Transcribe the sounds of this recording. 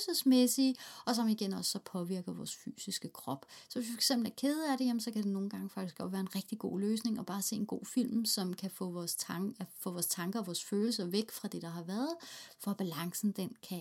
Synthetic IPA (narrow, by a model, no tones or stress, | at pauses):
səsmesiːʔɒ̽sɒ̽miiɡ̥enɒ̽sːɒ̽pʰɒ̽ʋiɐɡ̥əʋɒ̰ːsfy̰ːsisɡ̥əkʰʁɒ̽b̥sɒ̽ʋe̝sʋifɒɑ̥ɡ̥semb̥l̩æɐkʰeːð̞ˠæɾe̝jemnsɒ̽kʰæd̥e̝no̝ːn̩ɡ̥ɑ̈ŋəfɑ̈ɡ̥isɡ̥ɒ̽dʋæːɐe̝nʁɛɡ̥̚d̥iɡ̥o̝̰ːløːsne̝ŋɒ̽b̥ɑ̈ːse̝̰ːenɡ̥o̝̰ːfil̰msɒ̽mkʰæfɔ̰ɒːsʰfɔ̰ʋɒːst͡sʰɑ̈ŋɡ̥ɐɒʋɒːsføːl̩s̬ɐʋeɡ̥fʁɑ̈d̥e̝ɾ̥ɑ̈ɦɑ̈ʋæːɐð̩ˠfɒæb̥ælɑ̈ŋsn̩d̥enkʰæ